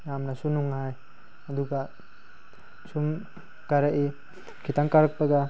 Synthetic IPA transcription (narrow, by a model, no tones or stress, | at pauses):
jamnasunuŋɦaj | aduɡa | sum | kaɾaʔi | kʰitaŋkaɾak̚paɡa